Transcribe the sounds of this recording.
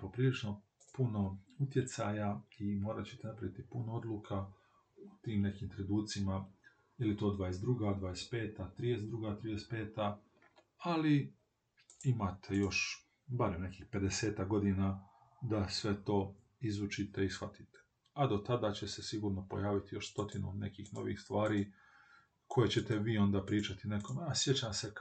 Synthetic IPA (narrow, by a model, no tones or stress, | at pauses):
po̞pɾiːlit͡ʃno̞ | puno̞ut̪je̞t̪saːjaimo̞ːɾat͡ɕe̥t̪enapɾaʋit̪ipunoo̞d̪lˠuːkʰa | ut̪iːmne̞kiːmt̪ɾed̪uːt̪sima | ilit̪o̞d̪ʋaːjesd̪ɾuɡad̪ʋaːjespe̞ːt̪at̪ɾiːje̞sd̪ɾuɡaːt̪ɾijespe̞ːt̪a | ali | imat̪ʰe̞jo̞ʃ | baɾemne̞kiːxpe̞d̪ese̞ːt̪akɡo̞d̪ina | d̪asʋe̞t̪o̞ː | izut͡ʃit̪e̞isxfat̪it̪e̥ | ad̪o̞t̪ad̪aːt͡ɕe̞se̞siɡuːɾno̞po̞̰jaːʋit̪ijo̞ʃst̪o̞t̪inune̞kiːxno̞̰ʋḭːxst̪ʋaːɾiː | kʰo̞je̞t͡ɕet̪eʋiːo̞nd̪aːpɾiːt͡ʃat̪inekomasje̞t͡ɕamse